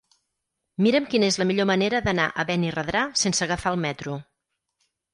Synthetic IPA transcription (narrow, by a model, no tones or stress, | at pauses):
miɾəmkinəezləmiʎoməneɾəðənaʔəβɛnirəðɾasensəɣəfaəlˠmɛt̪ɾu